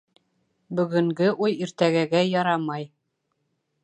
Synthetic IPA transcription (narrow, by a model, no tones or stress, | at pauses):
bɵ̆ɡɵ̆ŋɡɘʔujiɾt̪æɡæɡæjɑɾɑmɑj